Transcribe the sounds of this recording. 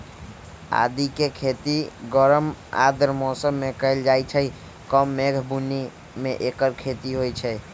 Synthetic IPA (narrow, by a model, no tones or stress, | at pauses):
a̰d̪ikekʰet̪iɡəɾəma̰d̪əɾmɔsəmːekəɪld͡ʒajt͡ʃʰəi | kəmːeɡʱbuni | meʔekəɾkʰet̪iɦojt͡ʃʰɛ